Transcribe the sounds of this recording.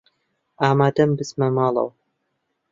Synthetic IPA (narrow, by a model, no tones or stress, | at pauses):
aːmaːd̪ɐmbɨsmɐmɑːlˠɐ̰w